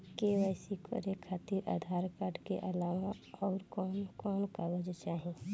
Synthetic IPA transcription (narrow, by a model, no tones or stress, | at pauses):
keʋəjsikʰo̰ɾekʰːaːt̪iɾa̰ːd̪ʱaːɾkaɾɖkḛʔəlaːʋaɔːɾkɔːnkɔːnkaʋəd͡ʒt͡ʃaːɦẽː